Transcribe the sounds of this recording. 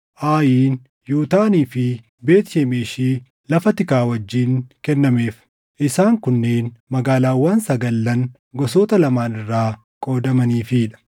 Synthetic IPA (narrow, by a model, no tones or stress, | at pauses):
ʔaːjiːn | juːt̪aːniːfɪ | be̞ːt̪ɪʃeːmeːʃiː | lɐfɐt̪ɪkaːwɐd͡ʒːiːŋkɛnːɐme̞ːf | ʔɪsaːŋkʊnːe̞ːnmɐɡaːlaːwːaːnsɐɡɐlːɐn | ɡɔso̞ːt̪ɐlɐmaːnɪrːaː | kʼo̞ːd̪ɐmɐniːfɪᶑɐ̥